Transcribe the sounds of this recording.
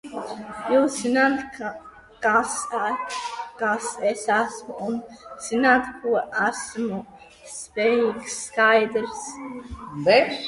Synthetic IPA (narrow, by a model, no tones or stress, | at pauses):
juːszinaːt̪ | kas | kasesæsmuunz̥inaːt̪kuɔʔæsmu | spejiːksːkajd̪ɾs | bɛʃ